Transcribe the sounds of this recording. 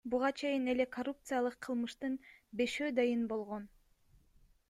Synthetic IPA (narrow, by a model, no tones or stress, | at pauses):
buʁɑt͡ʃʰe̞jine̞le̞kʰorup̚t̪sɨjalˠɯqʰːɯlˠmɯʃt̪ɯnbe̞ʃøːd̪ɑjɯnbo̞lˠʁo̞n